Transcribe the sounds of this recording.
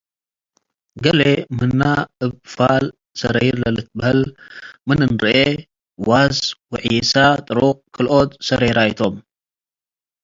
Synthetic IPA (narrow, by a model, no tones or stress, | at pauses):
ɡɐlemɨnːaɨβfal | sɐɾɐjɾlɐlɨt̪̚bɐhɐlmɨnɨnɾɨʔe | wazwɨʕijɛsat̪ʼɨɾokʰɨlʔot̪sɐɾɐjɾajt̪ʰom